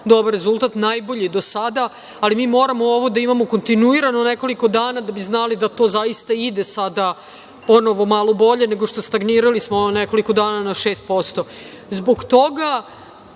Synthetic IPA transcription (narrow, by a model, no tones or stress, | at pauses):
d̪o̞baɾezulˠt̪at̪najbo̞ʎid̪osad̪aː | limiːmo̞ːɾamooʋo̞d̪aimamo̞ko̞nt̪inuiɾanoneko̞liko̞d̪aːnad̪abiznalid̪at̪o̞ːzaist̪aid̪esad̪a | po̞no̞ʋo̞malˠobo̞ʎe̞neɡo̞ʂt̪o̞st̪aɡniːɾalismo̞neko̞liko̞d̪aːnanaʃe̞ːst̪̚po̞st̪o̞ | zbo̞ɡt̪o̞ɡa